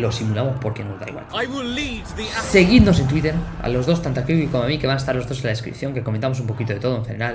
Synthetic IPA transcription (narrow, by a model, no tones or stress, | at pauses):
lo̞simulamospo̞ɾkenozða̰jɣwa̰lajwɪllivðiseɣiðno̞sent̪wit̪e̞ɾa̰lo̞zðo̞st̪ant̪akiuikomoamike̞βanaest̪aɾlo̞zðos̬elaðeskɾḭpθjo̞ŋkekoment̪amo̞s̬umpo̞kit̪oe̞t̪o̞ð̞oeŋxe̞ne̞ɾal